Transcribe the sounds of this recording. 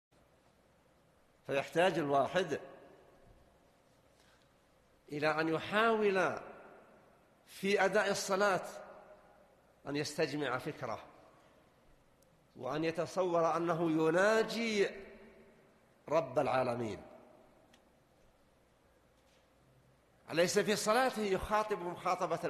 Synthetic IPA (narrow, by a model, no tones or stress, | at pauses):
fajaħt̪aːd͡ʒɪlwaːħɪd̪ | ʔɪlaʔanjʊħaːwɪla | fiʔad̪aːʔɨsˤːɑlaːt̪ | ʔanjast̪ad͡ʒmɪʕafɪkɾa̰ | wɪ̰ʔanjat̪ɑsˤɑwːɑɾˤʔanːaɦʊjʊnaːd͡ʒi | ɾˤɑbːalʕaːlamḭːn | ʔlajsafisˤɑlɑːt̪ɪhjʊxɑːt̪ˤɨbmʊxɑːt̪ˤɑbɑ